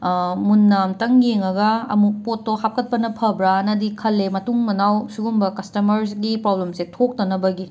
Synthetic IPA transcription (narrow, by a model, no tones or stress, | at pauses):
munːamtɐŋjeŋɐɡɐɐ̰mupotːohap̚kɐt̚pɐnɐpʰɐbɾaɐnɐdikʰɐlːemɐtuŋmɐnawsuɡumbɐkɐstɐmɐɾsɡipɾoblemsetʰok̚tɐnɐbɐɡi